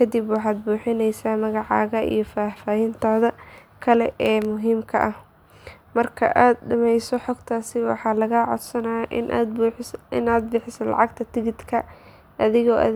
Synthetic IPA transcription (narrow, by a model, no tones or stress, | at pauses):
kʰɐd̪ibwɑħɑːd̪̚buːħɪnɛjsaːmɐɣɑʕɑːɣɐḭjɞfaːfaːɦɪnt̪ʰɔːðɐ | kʰɐlɛʔɛːmʊɦiːmkʰɐʔɐh | mɐrkʰɐ̰ʔaːd̪̚ɖɐmɛjsɔħɔɡt̪ʰaːsɪwɑ̰ħɑːlɐɣaːʕɔ̰d̪sɐnaːʔ | ɪnaːd̪̚bɪħɪsɐnlɑ̰ʕɑɡt̪ʰɐt̪ʰɪɣɪd̪kʰɐ | ʔɐðɪɣɔːʔɐ̰